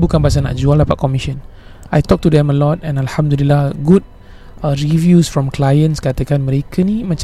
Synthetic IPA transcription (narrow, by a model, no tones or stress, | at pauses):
bukãnbas̬ana̰ʔd͡ʒualapa̰ʔ̚kɔmiʃə̃nʔajt̪ɔk̚tudɛ̃məlɔtɛ̃nalhamd̪ulilːaɡud̚ | əɹivjusfɹɔ̃mklajə̃nskat̪əkanməɾekʰənimat͡ʃ